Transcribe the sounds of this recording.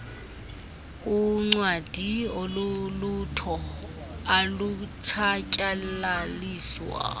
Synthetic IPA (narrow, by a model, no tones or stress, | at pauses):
uŋ͡ǀwad̥ʱiolulutʰɔ | alut͡ʃʰacʼalaliːswa̰